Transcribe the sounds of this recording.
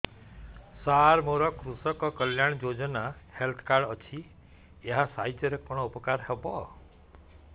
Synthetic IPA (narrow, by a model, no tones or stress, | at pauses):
saɾmoɾɔkɾusɔkɔkəljaɽ̃d͡ʒod͡ʒɔnahelt̪ʰkaɾɖɔt͡ʃʰi | eɦasaitɔɾekɔɽ̃ɔupɔkaɾɦebɔ